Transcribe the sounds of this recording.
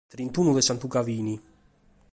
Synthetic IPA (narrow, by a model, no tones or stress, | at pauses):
t̪ɾint̪uːnuðɛsant̪ukaviːni